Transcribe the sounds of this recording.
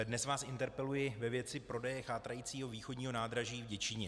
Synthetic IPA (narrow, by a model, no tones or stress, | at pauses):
dnɛsvaːsɪnt̪ɛɾpɛlujɪvɛvjɛt͡sɪpɾo̞dɛjɛxaːt̪ɾajiːt͡siːɦo̞viːxoɟɲiːɦonaːd̪ɾaʒiːvɟɛt͡ʃɪɲɛ